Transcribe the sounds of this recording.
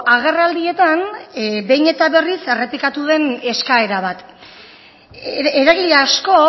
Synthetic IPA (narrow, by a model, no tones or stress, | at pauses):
aɣ̞erald̪ie̞t̪anbe̞jɲne̞t̪aβe̞rise̞re̞plikat̪uðe̞ne̞skae̞ɾaβat̪ | eɾaɣiʎaːsko̞